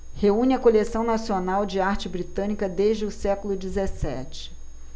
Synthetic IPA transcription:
heũnɪɐkolesɐ̃w̃nasionawd͡ʒɪaɾt͡ʃɪbɾit̪ɐ̃nikɐd̪eʒd͡ʒɪʊsɛkʊlʊd͡ʒizesɛ̰t͡ʃɪ̥

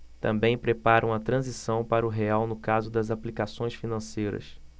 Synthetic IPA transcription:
t̪ɐ̰̃mbẽj̃pɾepaɾɐ̃w̃ɐt̪ɾɐ̃zisɐ̃w̃paɾɐʊɦeawnʊkazʊd̪ɐzaplikasõj̃sfinɐ̃sejɾɐ̰s

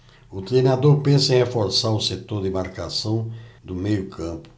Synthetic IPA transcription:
ʊt̪ɾejnad̪oɾpẽsɐẽj̃hefoɾsaɾʊset̪oɾd̪ɪmaɾkasɐ̃w̃d̪ʊmejʊkʰɐ̃pʊ̥

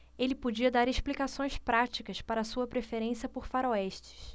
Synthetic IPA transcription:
elɪpod͡ʒiɐd̪aɾeʃplikasõj̃spɾat͡ʃikɐspaɾɐsuɐpɾefeɾẽsijɐpoɾfaɾoɛʃt͡ʃɪ̥s

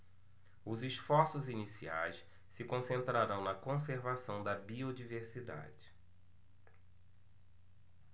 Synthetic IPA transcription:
ʊziʃfɔɾsʊzinisia̰js | sɪkõsẽnt̪ɾaɾɐ̃w̃nɐkõs̬eɾvasɐ̃w̃d̪ɐbiod͡ʒiveɾsid̪a̰d͡ʒɪ

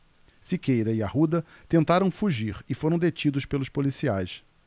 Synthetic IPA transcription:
sikejɾɐiahud̪ɐt̪ẽnt̪aɾɐ̃w̃fuʒiɾɪfoɾɐ̃w̃d̪et͡ʃid̪ʊʃpelʊʃpolisiajs

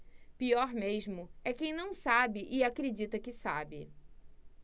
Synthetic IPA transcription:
piɔɾmeʒmʊɛkẽj̃nɐ̃w̃sabɪʔɪakɾed͡ʒit̪ɐkɪsa̰bɪ

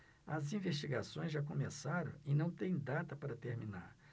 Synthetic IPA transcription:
ɐzĩveʃt͡ʃiɡasõj̃zʒak̬õmesaɾɐ̰̃w̃ɪnɐ̃w̃t̪ẽj̃d̪at̪ɐpaɾɐt̪eɾmina̰ɾ

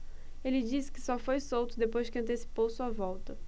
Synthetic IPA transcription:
elɪd͡ʒisɪ̥kɪ̥sɔfojsowt̪ʊd̪epojzd͡ʒɪkɪɐ̃nt̪̬esi̥powsuɐvɔwt̪ɐ

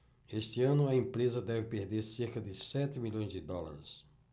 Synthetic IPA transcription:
est̪ɪɐ̃nʊɐẽmpɾezɐd̪ɛvɪpeɾd̪eɾseɾkɐd̪ɪsɛt̪ɪmiʎõj̃zd̪ɪd̪ɔla̰ɾɪs

